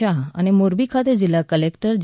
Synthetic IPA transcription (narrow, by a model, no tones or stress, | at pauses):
aa̰ñemoɾbikʰat̪ed͡ʑilakəlekʈəɾd͡ʑ